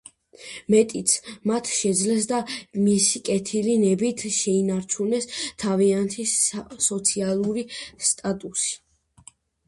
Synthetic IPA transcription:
mɛt̪ʼit̪sʰmat̪ʰʃɛd̪zlɛs̬d̪amisikʼɛt̪ʰilinɛbit̪ʰʃɛinaɾt͡ʃʰunɛst̪ʰaviant̪ʰisɔt̪sʰialˠuɾist̪ʼat̪ʼusi̥

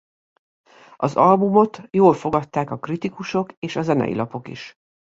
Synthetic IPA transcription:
ɒzɒlbumot̪joːlfo̞ɡɒt̪ːaːkɒkrit̪ikuʃo̞keːʃɒzɛnɛ̰jḭlʔɒpo̞kḭʃ

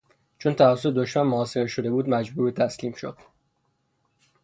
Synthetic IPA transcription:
t͡ʃʰont̪ʰævæs̬ːoed̪oʃmænmoɒːseɾeʃo̞d̪e̞buːd̪mæd͡ʒbuːɾbet̪ʰæsliːmʃod̪̥

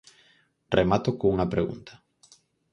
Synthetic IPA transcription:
rʔemat̪okouŋapɾeɣṵnt̪ʰḁ

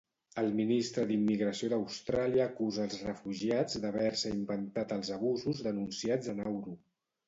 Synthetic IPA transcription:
əlˠminist̪ɾəðimːiɣɾəsioðəwst̪ɾaliəːkuzəːlˠzrəfuʒiad͡zd̪əβ̞ɛɾsəimbənt̪at̪əlˠzəβ̞uzuzðənunsiad͡zənawɾu

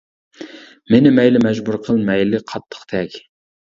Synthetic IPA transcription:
mɪnɪmɛjlɪmɛʒbuɾqʰəlˠmɛjlɪqʰɑt̪ʰːə̥χt̪ʰɛkʲ

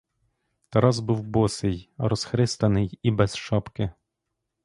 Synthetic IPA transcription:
t̪ɐɾɑzbuwbɔsɪjɾɔsxɾɪst̪ɐnɪjibɛzʃɑpkɪ

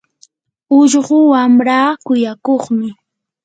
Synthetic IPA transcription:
ʊʎɢʊwamɾaːkʊjakoχmɪ

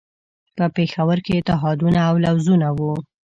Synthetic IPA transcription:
pəpexawəɾket̪aɦɑd̪unaːwlawzunawu

